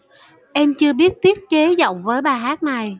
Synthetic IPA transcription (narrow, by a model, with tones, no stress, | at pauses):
ʔɛ˧mt͡ɕɨ˧əɓi˦˥ət̚t̪i˦˥ət̚ke˨˦zɔ̰˧˨wŋ͡mvəː˨˦jɓaː˨˩ɦaː˦˥t̚na˨˩j